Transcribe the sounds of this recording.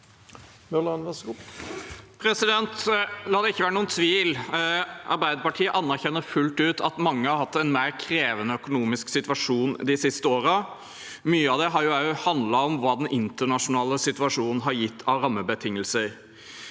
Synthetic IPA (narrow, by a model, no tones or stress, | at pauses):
mœlɑnʋɛsɡu | pʰɾɛsɪd̪ɛnt̪lɑːd̪ɛɪçːəʋæːɾənuːənt̪ʰʋiːl | ʔɑ̰ɾbæɪd̪əpɑʈʰiːəʔɑnːæɾçɛnːəɾfʉlt̪ʉːt̪ʰɑt̪mɑŋːəhɑɾhɑt̪ːɛnmeɪɾkʰɾeːʋənəœkʊnuːmɪsksɪt̪ʋɑʂuːnd̪ɪsɪst̪əoːɾə | myːəɑd̪ɛɦɑɾjʊæʊhɑnd̪lɑɔmʋɑːd̪ɛnʔɪnt̪əɳɑʂʊnɑːləsɪt̪ʋɑʂuːnn̩ɦɑɾjɪt̪ʰːɑʋɾɑmːəbət̪ʰɪŋːəlsəɾ